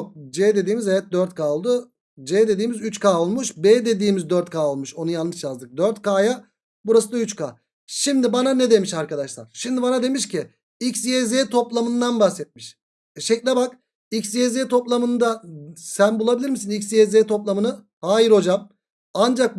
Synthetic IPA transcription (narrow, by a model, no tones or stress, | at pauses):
ok̚d͡ʒɛːd̪e̞d̪iːmizejɛt̪̚d̪øɾt̪̚kʰaːolˠd̪ʊ | d͡ʒɛːd̪e̞d̪iːmizyt͡ʃkʰaːolˠmuʃbɛːd̪e̞d̪iːmizd̪øɾt̪kʰaːo̞lˠmuʃo̞nujanˠmɯt͡ʃjazd̪ɯk̚d̪øɾt̪kaːja | buɾasɯd̪ayt͡ʃkʰa̰ː | ʃimd̪ibananɛd̪e̞miʃaɾkad̪aʃlˠa̰ɾ̥ʃimd̪ibanad̪e̞miʃcɪ | icsjezeːt̪ʰo̞plˠamɯnd̪anbaxsɛt̪̚miʃ | ʃecʲlʲebak | icsezet̪ʰo̞plˠamɯnd̪asænbulˠabilʲiɾmisinicsjezeːt̪ʰo̞plˠamɯnɯ | haːjiɾo̞d͡ʒam | and͡ʒak̚